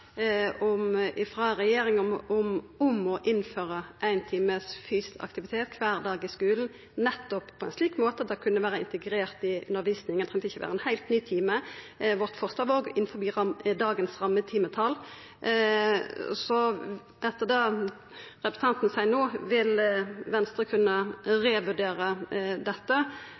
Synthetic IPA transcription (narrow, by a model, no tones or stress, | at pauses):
ɔmɪfʁɑʁɛjeːɾɪŋɔɔmɔmɔʔɪnføːʁəʔæɪnt̪ʰiːməsfyːst̪ɑ̰k̚t̪ɪʋɪt̪ʰeːt̪kʰʋæːʁd̪ɑːɡɪskʉːln̩ | nɛt̪ːɔppʰɔɛnsliːkmoːt̪əd̪ɑkʰʉnːəʋæːɾəɪ̰nt̪ɛɡɾeːʁt̪ɪʔʉ̰nəʁʋiːsnɪŋænt̪ʁɛŋt̪ɪçəʋæ̰ːʁəɛnhæɪlt̪nyːt̪ʰiːmə | ʋɔʁt̪fɔʁst̪ɑːʋoːɡɪnfɔbiːɑd̪ɑːɡənsʁɑmːət̪ʰiːmət̪ʰɑl | sɔ | ɛt̪ːəʁd̪ɑː | ʁɛpɾəsn̩ʰɑnt̪nəsæɪnoːʋɪlʋɛnst̪ʁəkʰʉnːəʁeːʋʉɖeːʁəd̪ɛt̪ːə